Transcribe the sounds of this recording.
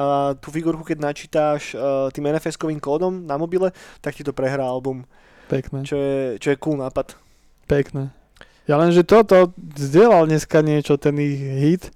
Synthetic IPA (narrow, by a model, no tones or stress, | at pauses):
at̪uːfiɡuːɾkukɛɟʲnat͡ʃiːt̪aːʃt̪iːmɛnɛfɛskɔʋiːmkɔːd̪ɔmnamɔbilɛt̪akcit̪ɔpɾɛɦɾaːalbum | pɛknɛt͡ʃɔjɛt͡ʃɔjɛkuːlnaːpat̪ | pɛknɛː | jalɛmʒɛt̪ɔt̪ɔzɟɪɛlalɲɛskaɲɪɛt͡ʃɔt̪ɛnixɦit̪